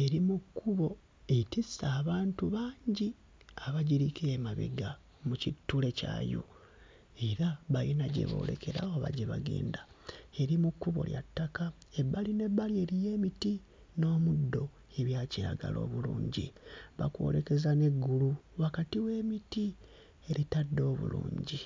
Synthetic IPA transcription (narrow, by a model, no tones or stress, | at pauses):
e̞ɾimukʰːuβo̞ | etisaːβaːntuβaːɲɟi | aβaɟiɾikʰeemaβḭɡa | mucitːule̞ca̰ːjo̰ | e̞ɾaβajinaɟḛβo̞̰ːle̞̰ke̞ɾa̰oβa̰ɟeβaɡḛːnda | e̞ɾimukːuβo̞̰lja̰tːakae̞baline̞bːalie̞ɾije̞ːmiti | no̞ːmudːo̞ | e̞βjaːciɾa̰ɡa̰lo̞̰ːβulṵːɲɟḭβa̰kwo̞̰leke̞zane̞ɡːuluwakatiwe̞ːmiti | e̞ɾitadːo̞ːβṵlṵːɲɟi